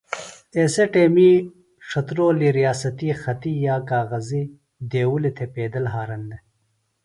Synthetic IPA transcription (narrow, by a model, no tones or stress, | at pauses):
eseʈeːmi | ʂɐt̪ɾoːliɾijaːsɐt̪ixɐt̪ijaːkaːɣɐzi | d̪eːwulit̪ʰepeːd̪ɐlɦaːɾɐnd̪e